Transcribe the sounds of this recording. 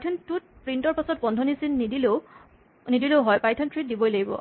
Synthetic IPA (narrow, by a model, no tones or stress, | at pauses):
atʰɔntut̚pɹintɔɹpasɔt̚bɔndʱɔnisinːidile | nidileʊɦɔjpajtʰɔntʰɹit̚dibɔjlaɡibɔ̰